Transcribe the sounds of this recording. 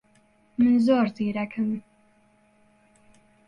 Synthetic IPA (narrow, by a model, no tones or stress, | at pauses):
mɨnzoːɾziːɾɛkʰɨm